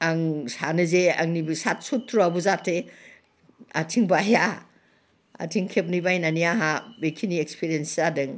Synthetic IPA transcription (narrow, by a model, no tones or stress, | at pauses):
aŋsanɯzea̰ŋnibisat̚sutʰːɾuabuzatʰe | a̰tʰiŋbaja | a̰tʰiŋkʰep̚nibajnanijaɦabekʰiniekspʰiɾiensadɯŋ